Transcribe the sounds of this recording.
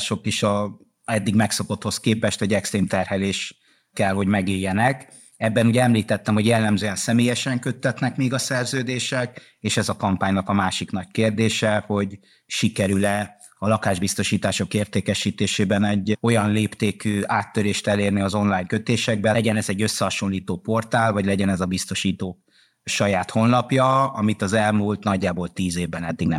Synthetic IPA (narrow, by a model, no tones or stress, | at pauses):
ʃo̞kiʃɒ | ɛd̪ːiɡmɛkso̞ko̞t̪ho̞skeːpɛʃt̪ɛɟɛkst̪riːmt̪ɛrhɛleːʃ | kɛlho̞ɟmɛɡiːjːɛnɛk | ɛbːɛnuːɟɛɛmliːt̪ɛt̪ːɛmho̞ɟjɛlːɛmzøːɛnsɛmeːjɛʃɛŋkø̞t̪ːɛt̪nɛkmeːɡɒsɛrzøːd̪eːʃɛk | eːʃɛzɒkɒmpaːɲnɒkɒmaːʃiknɒc̚keːrd̪eːʃɛho̞ɟ | ʃikɛɾylɛ | ɒlɒkaːʒbist̪o̞ʃiːt̪aːʃo̞keːrt̪eːkɛʃiːt̪eːʃeːbɛnɛɟːo̞jɒnleːpt̪eːkyːaːt̪ːøɾeːʃt̪ɛleːrniɒzo̞nlaːjŋkøt̪eːʃɛɡ̚bɛɟɛnɛzɛɟːø̞sːɛhɒʃo̞nliːt̪oːpo̞rt̪aːlvɒɟlɛɟɛnɛzɒbist̪o̞ʃiːt̪oː | ʃɒjaːt̪ho̞nlɒpjɒɒmit̪ɒzɛlmuːlt̪nɒɟːaːbo̞lt̪iːzeːvbɛnɛd̪ːiɡnɛ